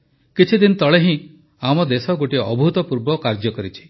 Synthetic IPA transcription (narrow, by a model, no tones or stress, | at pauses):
kit͡ʃʰid̪inɔt̪ɔɭeɦĩ | amɔd̪esɔɡoʈiɔ̰bʱut̪ɔpuɾbɔkaɾd͡ʒɔkɔɾit͡ʃʰi̥